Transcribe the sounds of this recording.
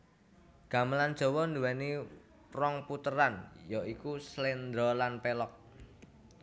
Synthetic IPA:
ɡ̥a̤məland̥ʒ̥ɔ̤wɔnd̪uwɛni | rɔŋput̪əɾanjɔʔikuslɛnd̪ɾɔlanpɛlɔk̚

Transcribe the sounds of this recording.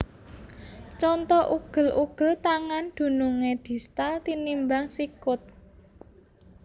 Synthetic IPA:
t͡ʃɔnt̪ɔʔuɡ̥ə̤lʔuɡ̥ə̤lt̪aŋand̪̥ṳnuŋed̪̥i̤st̪alt̪inimbaŋsikʊt̪̚

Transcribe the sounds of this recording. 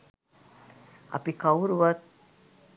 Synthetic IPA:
ɐ̰pikɐuɾuʋat̪̚

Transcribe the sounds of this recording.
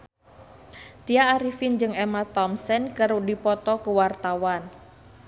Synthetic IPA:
t̪ijaːɾifind͡ʒɨŋɛmat̪ɔmsɛnkəɾudipɔt̪ɔkəwart̪awan

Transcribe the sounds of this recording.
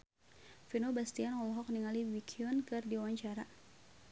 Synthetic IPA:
finobast̪ianŋɔlɔɦɔk̚niŋaliwikʰiɔnkɨrdiawaɲt͡ʃaɾa

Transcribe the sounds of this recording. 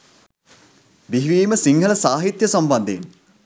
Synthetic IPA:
biɦʋiːməsiŋɡəlɐsaːɦit̪jəsamband̪eːn

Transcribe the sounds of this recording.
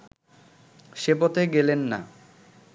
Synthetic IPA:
ʃepot̪eɡelenːa̰

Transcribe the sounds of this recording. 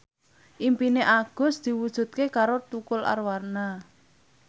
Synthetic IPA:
ʔimpineʔaɡ̥ɔ̤sd̪̥i̤wud̥ʒ̥ṳt̪̚kekaɾot̪ukʊlʔa̰rwarna

